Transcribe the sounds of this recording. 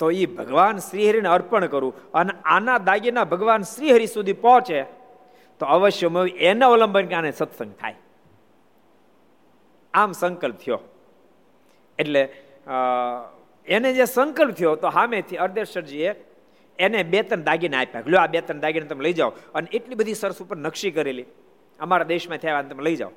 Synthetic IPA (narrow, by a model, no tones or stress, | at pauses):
t̪oibʱəɡʋansɾiɦəɾineəɾpəɳkəɾũəneanad̪aɡinabʱəɡʋansɾiɦəɾisud̪ʱipɔ̃t͡ʃe | t̪oəʋəʃjəməʋiʔeneoləmbʱənkeanesət̪sə̃ŋɡ̚t̪ʰa̰j | amsəŋkəlp̚t̪ʰijo̰ | eʈle | ened͡ʒesəŋkəlp̚t̪ʰijot̪oɦamet̪ʰiəɾd̪eɾʃəɾd͡ʒie | enebet̪ənd̪aɡinapa̰ɡljoabet̪ənd̪aɡinet̪əmeləid͡ʒaoəneʔeʈlibəd̪ʱisəɾəsupəɾnəkʃikəɾeli | əmaɾad̪eʃmãt̪ʰjaʋanet̪əmeləid͡ʒa̰o